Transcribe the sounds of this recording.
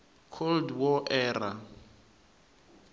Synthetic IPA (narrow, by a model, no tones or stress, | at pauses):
kʰoldwɔʔɛːra